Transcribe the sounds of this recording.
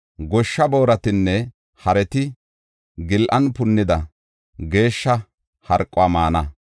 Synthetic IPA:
ɡɔʃːɐbo̞ːɾɐt̪ɪnːɛ | hɐɾɛt̪ɪ | ɡɪlʔɐnpʊnːɪd̪ɐ | ɡe̞ːʃːɐ | hɐɾkʼːʊaːmaːnɐ

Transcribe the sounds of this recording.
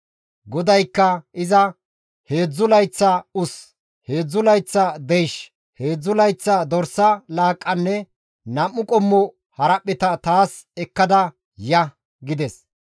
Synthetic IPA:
ɡɔd̪ɐjkːɐɪzɐ | he̞ːd͡zːʊlɐjt͡sːɐʊs | he̞ːd͡zːʊlɐjt͡sːɐd̪ɛjʃ | he̞ːd͡zːʊlɐjt͡sːɐd̪ɔɾsɐlaːkʼːɐnːɛ | nɐmːʊkʼɔmːɔ | hɐɾɐpʼːɛt̪ɐt̪aːs | ɛkːɐd̪ɐ | jɐ | ɡɪd̪ɛs

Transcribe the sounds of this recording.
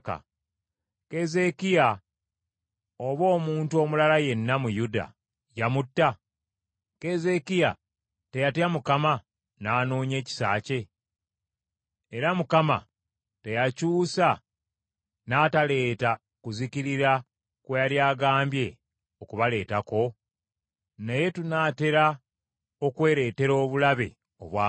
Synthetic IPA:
ka̰ | ke̞ze̞kija | oβo̞ːmuːntuo̞mulalaje̞nːamujuda̰ | jamutːa | ke̞ze̞kija | te̞jatamukama | naːnoːɲe̞ːci̥sa̰ːce̞ | eɾamukama̰ | te̞jacuːsa | naːtale̞ːta | kuziciɾiɾa | kwejaljaːɡaːmbje̞ | o̞kuβale̞ːtako̞ | neje̞tunaːte̞ɾa | o̞kwe̞ːɾe̞ːte̞ɾo̞ːβulaβe̞̰ | o̞̰βwaː

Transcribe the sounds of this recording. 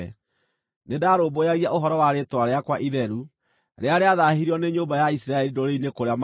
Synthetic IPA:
nedaɾoːbojaɣiaoɦɔɾɔwaɾetwaɾeakwaʔiðɛɾu | ɾeaɾeaðaɦiɾiɔneɲoːbajaisiɾaɛɾidoɾeinekoɾeam

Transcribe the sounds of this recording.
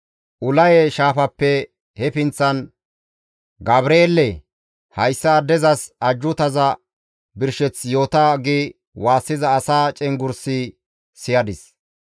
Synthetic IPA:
ʔʊlɐjɛʃaːfɐpːɛ | hɛfɪnt͡sːɐn | ɡɐbɾeːlːɛ | hɐjsːɐd̪ɛzɐsɐd͡ʒːʊt̪ɐzɐ | bɪɾʃɛt͡sjo̞ːt̪aɡi | waːsːɪzɐːsaːt͡ʃʼɛŋɡʊɾsɪ | sɪjɐd̪ɪs

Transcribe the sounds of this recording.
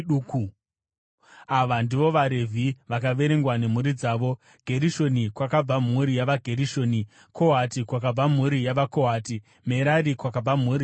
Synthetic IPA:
ɗuːku | aʋandiʋo̞ʋaɾe̞vʱiʋakaʋe̞ɾe̞ŋɡwane̞m̤uɾid͡zaːʋo̞ | ɡ̥ʱe̞ɾiʃo̞nikwakab͡vamuɾijaʋaɡʱe̞ɾiʃo̞ːni | kʰoɦatikwak̬ab͡vam̤uɾijaʋakoɦaːti | me̞ɾaɾikwakab͡vam̤uːɾi

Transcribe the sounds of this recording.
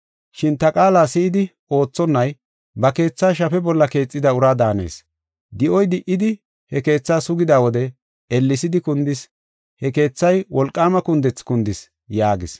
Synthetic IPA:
ʃɪnt̪ɐkʼaːlaːsɪʔɪd̪ɪ | o̞ːt͡sːɔnːɐj | bɐke̞ːt͡sːaːʃ̬ɐfɛbɔlːɐke̞ːt͡sʼːɪd̪ɐʊɾaːd̪aːne̞̰ːs | d̪ɪʔɔjd̪ɪʔɪd̪ɪ | hɛke̞ːt͡sːaːsʊɡɪd̪aːwɔd̪ɛ | ɛlːɪsɪd̪ɪkʊnd̪ɪs | hɛke̞ːt͡sːɐjwɔlkʼːaːmɐkʊnd̪ɛt͡sːkʊnd̪ɪs | jaːɡɪs

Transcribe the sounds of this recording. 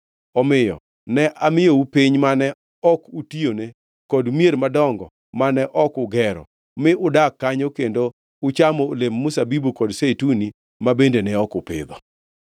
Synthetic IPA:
ɔmɪjɔ̰ | nɛʔamɪjoupiɲmanɛ | ɔkutione | kɔdmjeɾmadɔŋɡɔ | manɛʔɔkʊɡɛɾɔ̰ | mɪʊdakːaɲokendo | ʊt͡ʃamoːlemːʊsabibukɔdsetuni | mabendenɛɔkʊpɪ̰d̪ɔ

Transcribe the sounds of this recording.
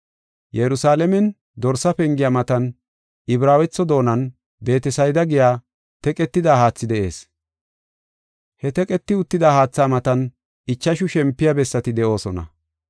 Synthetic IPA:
jɛɾʊsaːlɛmɛn | d̪ɔɾsɐpɛŋɡɪjamɐt̪ɐn | ɪbɾaːwɛt͡sːɔd̪o̞ːnɐn | be̞ːt̪ɛsɐjd̪ɐɡɪjaː | t̪ɛkʼɛt̪ːɪd̪aːhaːt͡sːɪd̪ɛʔe̞̰ːs | hɛt̪ɛkʼɛt̪ːɪʊt̪ːɪd̪aːhaːt͡sːaːmɐt̪ɐn | ɪt͡ʃːɐʃʊʃɛmpːɪjabɛsːɐt̪ɪd̪ɛʔo̞ːsɔnɐ̰

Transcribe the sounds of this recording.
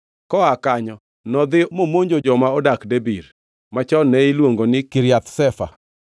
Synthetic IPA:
kɔakaɲɔ | nɔd̪ɪmomoɲd͡ʒod͡ʒɔmaɔdakdebiɾ | mat͡ʃɔnɛɪlwoŋɡonɪkɪɾjat̪sɛfa̰

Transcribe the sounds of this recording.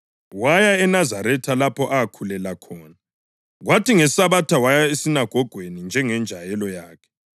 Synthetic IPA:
wajaɛnazaɾɛtʰalapʰɔʔaakʰulɛlakʰɔːna | ɣwatʰiŋɛsaβatʰawajaesinaɡ̥ʱɔɡ̥ʱwenind͡ʒʱɛŋɛnd͡ʒʱajɛlɔjaːkʰɛ̥

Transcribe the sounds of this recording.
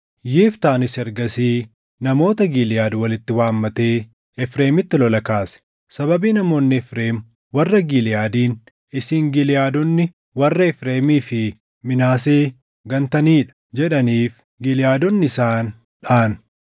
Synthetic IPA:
jeːft̪aːnɪsɛɾɡɐsiː | nɐmo̞ːt̪ɐɡilɪjaːd̪wɐlɪt̪ːɪwaːmːɐt̪e̞ː | ɛfɾeːmɪt̪ːɪlɔlɐkaːsɛ̥ | sɐbɐbiːnɐmo̞ːnːɪɛfɾe̞ːm | wɐrːɐɡilɪjaːd̪iːn | ɪsiːŋɡɪlɪjaːd̪ɔnːɪ | wɐrːɐɛfɾeːmiːfɪ | mɪnaːseː | ɡɐnt̪ɐniːᶑɐ̥d͡ʒɛᶑɐniːf | ɡɪlɪjaːd̪ɔnːɪsaːn | ᶑaːn

